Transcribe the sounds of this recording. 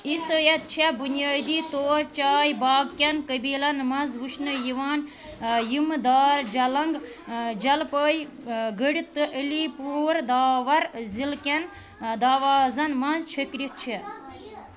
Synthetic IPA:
isəjɐt̪̚t͡ʃʰebunijaːd̪iːt̪oːɾt͡ʃaːjbaːɡkʲɐnkəbiːlɐnmɐzʋuʃʰnəjiʋaːn | jimd̪aːɾd͡ʒɐlɐŋɡ | d͡ʒɐlpəːj | ɡəɽit̪ɨʔəlipuːɾd̪aːʋɐɾzilkʲɐn | d̪aːʋaːzɐnmɐzt͡ʃʰəkɾit̪̚t͡ʃʰi

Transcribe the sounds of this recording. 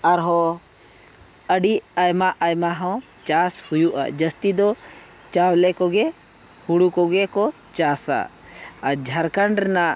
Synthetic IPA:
aɾɦɔ | əɖiajmaʔajmaɦɔ̃w | t͡ʃashujuʔa̰d͡ʒəst̪id̪ɔ | t͡ʃawlɛkɔɡɛ | huɽukɔɡɛkɔ | t͡ʃasa̰ | ad͡ʒʱəɾkəɳɖna

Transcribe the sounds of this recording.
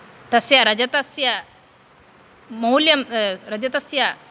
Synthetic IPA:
t̪ɐsjaɾɐd͡ʑɐt̪ɐsja | mɐwljɐmɾɐd͡ʑɐt̪ɐsja

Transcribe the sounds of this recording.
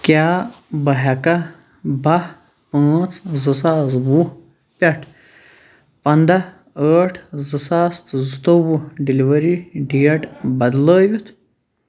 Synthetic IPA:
kʲjaːbɐɦɐka | bɐ | pə̃ːt͡szɨsaːzbu | pʲeʈʰ | pɐnd̪a | əːʈʰzɨsaːst̪zɨt̪obuɖiliʋɐɾiɖijeʈbɐd̪ləːʋit̪ʰ

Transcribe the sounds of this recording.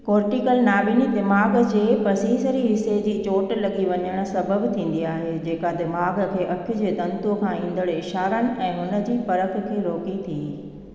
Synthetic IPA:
koːɾʈikəlnaːbiːnid̪ɪmaːɡd͡ʑeːpɐsiːsəɾiɦɪsed͡ʑiːt͡ɕoːʈlɐɠiʋɐɲəɽ̃ʊ̆sɐbəbt̪ʰĩːn̆d̪iaːɦed͡ʑeːkad̪ɪmaːɡkʰeːʔɐkʰjʊd͡ʑeːd̪ɐ̃nt̪ukʰãːĩːnd̪əɽɪʃaːɾəɽ̃ʊ̆ʔɛ̃ːɦʊnə̆d͡ʑiːfɐɾək̆ʰkʰeːɾoːkit̪ʰiː

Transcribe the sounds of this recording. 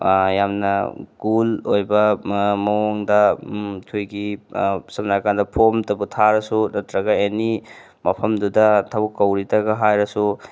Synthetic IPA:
jamnɐ̰ɡulojbɐmɐwoŋdɐtʰujɡisɐmnakandɐpʰomtɐbutʰaɾɐsunɐtɾɐɡɐeni | mɐpʰɐmdudɐtʰɐbukːɐwɾitɐɡɐɦajɾɐsu

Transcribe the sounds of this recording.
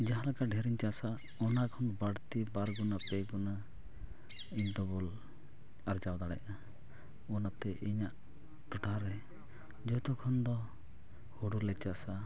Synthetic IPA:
d͡ʒaɦãlakaɖʱɛɾiɲt͡ʃasa | ɔnakʰɔnbaɽt̪ibaɾɡunapɛɡuna | inʈɔbɔl | aɾd͡ʒawd̪aɽɛ̰ʔa | ɔnat̪ɛʔiɲaʔ | ʈɔʈaɾɛ | d͡ʒɔjt̪ɔkʰɔnd̪ɔ | hɔɽulɛt͡ʃasa

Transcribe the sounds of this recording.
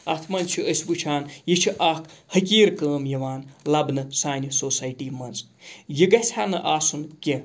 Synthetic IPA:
ɐt̪ʰmɐnt͡ʃʰiəsʲbut͡ʃʰaːnjit͡ʃʰiʔɐkʰhɐkʲiːɾkəːmjɐʋaːnlɐbnɨsaːnʲisoːsaːjʈiːmɐnz | jiɡɐsʰʲaːnɨʔaːsunkʲe

